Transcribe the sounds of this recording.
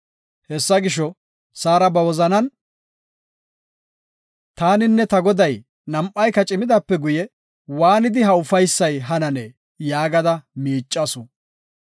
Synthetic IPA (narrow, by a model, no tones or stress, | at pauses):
hɛsːɐɡɪʃɔ | saːɾɐbɐwɔzɐnɐn | t̪aːnɪnːɛt̪ɐɡɔd̪ɐj | nɐmpʼːɐjkːɐt͡ʃʼɪmɪd̪ɐpːɛɡʊjɛ | waːnɪd̪ɪɦɐʊfɐjsːɐjɦɐnɐneː | jaːɡɐd̪ɐmiːt͡ʃʼːɐsʊ